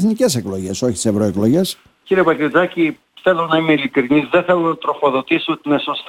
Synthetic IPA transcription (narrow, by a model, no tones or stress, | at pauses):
θnice̞se̞klo̞ʝe̞so̞çit̪i̥sevɾoeklo̞ʝe̞s | ciɾiepɐkɾizɐci | θe̞lonɐimeilikɾinizðeθelonɐt̪ɾo̞fo̞ðo̞t̪isiot̪inesost̪